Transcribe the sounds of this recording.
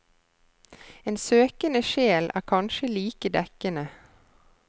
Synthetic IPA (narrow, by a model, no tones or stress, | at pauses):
eːnsøːkənəʃeːlʔæ̰ːkʰɑnʃəliːkəd̪ɛkənə